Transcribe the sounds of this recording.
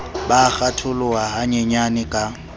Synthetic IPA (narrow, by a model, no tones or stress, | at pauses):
bak͡xatʰʊlʊaɦaɲɛɲanɪkʼa